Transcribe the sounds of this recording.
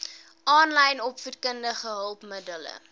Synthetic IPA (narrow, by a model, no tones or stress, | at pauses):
ʔɑːnlɐjnɔpfurkəndəχəɦəlˠpmədələ̰